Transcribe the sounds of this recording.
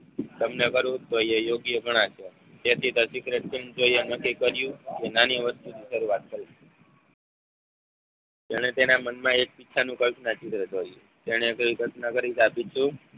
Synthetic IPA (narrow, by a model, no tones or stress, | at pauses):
d̪əmnəɡəɾũt̪ojejoɡjəɡʱəɽ̃ãt͡ʃʰe | t̪et̪ʰit̪osikɾeʈ̚t͡ʃind͡ʒoijənəkikəɾjũkenaniʋəst̪uniʃəɾuat̪̚kəɾi | t̪eɽ̃et̪enamənmãek̚pitːt͡ʃʰanũkəlpʰnat͡ʃɪt̪ɾəd͡ʒoje | t̪eɽ̃ekəikət̪nəɡəɾid͡ʒapit͡ʃʰũ